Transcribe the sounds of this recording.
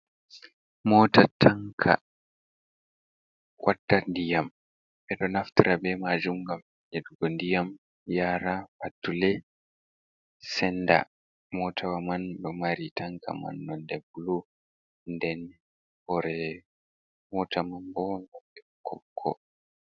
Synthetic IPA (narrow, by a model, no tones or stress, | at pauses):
mɔtatʰaŋkʰa̰ | kwadːandijam | bɛɗɔnaftiɾabɛmad͡ʒumɡam | ʔɛduɡɔndijam | jaɾapatːulɛ | sɛnda̰ | mɔtʰawamanbɔmaɾitʰaŋka̰ma̰nːɔndɛbulu | ndɛn | bɔɾɛ | mɔtamambɔɡaɛ | kʰɔkʰːɔ̰